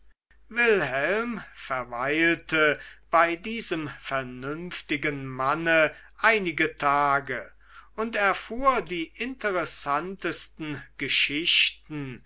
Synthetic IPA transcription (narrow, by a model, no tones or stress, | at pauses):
vɪlhɛlmfɛɐvaɪltəb̥aɪdiːzəmfɛɐnʏmftɪɡənmanə | ʔaɪnɪɡətʰaːɡə | ʊntɛɐfuːɐdiːʔɪntəʁɛsantəstn̩ɡ̥əʃɪʃtn̩